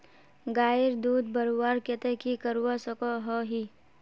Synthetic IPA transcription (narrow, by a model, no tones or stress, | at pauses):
ɡaːɪɾd̪uːd̪bəɾuwaːɾket̪ekikəɾuwasəkoɦoɦiː